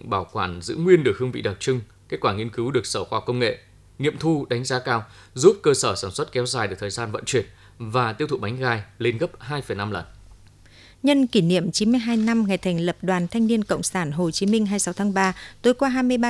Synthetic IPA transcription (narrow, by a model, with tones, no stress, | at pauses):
ŋɓaː˧˩wkwaː˧˩nzɨ̰˧˥ŋwi˧ənɗɨ˨˩ək̚hɨ˧əvḭ˧˨ɗa˨˩t͡ɕɨ˧ŋ | ke˦˥t̚kwaː˧˩ŋi˧ənkɨ˨˦wɗɨ˨˩ək̚səː˧˩xwaː˧˩wkə˧wŋ͡mŋḛ˧˨ | ŋḭ˧˨əmt̪ʰu˧ɗa˨˦jŋ̟zaː˨˦kaː˧w | zu˦˥p̚kəː˧səː˧˩saː˧˩nswə˦˥t̚kɛ˨˦wzaː˨˩jɨ˨˩k̚t̪ʰːjzaː˧nvə̰˧˨nt͡ɕwi˨˩ət̚ | vaː˨˩t̪i˦˥əwt̪ʰṵ˧˨ɓa˨˦ŋ̟ɣaː˧jle˧nɣə˦˥p̚haː˧jfə˨˩jna˧mlə˨˩n | ɲə˧nki˧˩nḭ˧˨əmt͡ɕi˨˦nmɨ˧əjɦaː˧jna˧mŋa˨˩jt̪ʰŋ̟lə˨˩p̚ɗwaː˨˩nt̪ʰa˧jŋ̟ni˧ənkə̰˧˨wŋ͡msaː˧˩nɦo˨˩t͡ɕi˨˦mï˧ŋ̟ɦaː˧jsa˨˦wt̪ʰaː˨˦ŋɓaː˧t̪o˨˦jkwaː˧ɦaː˧jmɨ˧əjɓa˧